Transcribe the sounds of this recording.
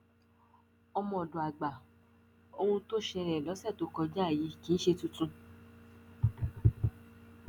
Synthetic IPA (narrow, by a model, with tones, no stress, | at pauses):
ɔ˧mɔ̃˧˨ɔ˨dõ˨a˨ɡ͡ba˨ | o˧hũ˧to˦ʃɛ˧ɾɛ˨lɔ˨˦sɛ˦˨to˨˦kɔ˧d͡ʒa˦˨ji˨˦kĩ˦n̩˦ʃe˧tũ˧˦tũ˧